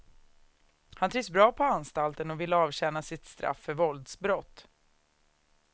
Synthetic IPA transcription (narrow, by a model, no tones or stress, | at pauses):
hant̪ʰɾɪɡsbɾɑːpʰɔanst̪alt̪ənɔvɪlːəɑːvɕɛnːasɪt̪st̪ɾa̰fːœɾvɔld̪sbɾɔt̪ː